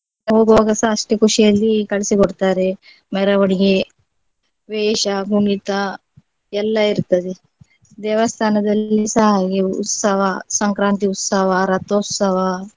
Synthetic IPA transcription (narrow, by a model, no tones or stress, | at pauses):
ɐɦoɡʋaɡɐsaːsʈekuʂijɐlːiːkɐɭsiɡoɽt̪aɾe | meɾaʋɐɳiɡe | ʋeːɕaɡʱumit̪a | ɛlːaiɾt̪ɐd̪e | d̪ɛːʋast̪ʰaːnɐd̪ɐlːisaɦaɡeṵt̪sɐʋasɐŋkɾaːnt̪iut̪sɐʋaɾɐt̪ot̪sɐʋa